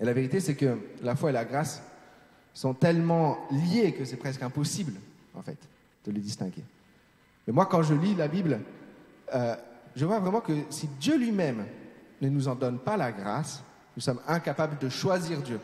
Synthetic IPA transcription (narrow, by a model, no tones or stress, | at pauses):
elaveʁit̪esɛkəlafwaelaɡʁasː | ɔ̃t̪ɛlmɑ̃ljekəsɛpχɛskɛ̃pɔsibl | ɑ̰̃fɛ̰t̪ | d̪̥ələd̪ist̪ɛ̰̃ɡḛ | mɛmwakɑ̃ʒəlilabibl | əʒəvwavʁɛmɑ̃kəsid̪jølɥimɛmnənuzɑ̃d̪ɔnpalaɡʁa̰s | nusɔmɛ̃kapabləd̪əʃwaziʁd̪jø